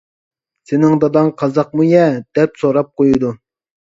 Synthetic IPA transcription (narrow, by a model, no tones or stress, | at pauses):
sɪnɪŋd̪ɑd̪ɑnqʰɑzɑq̚mujɛd̪̥ɛpsoɾɑp̚qʰojud̪u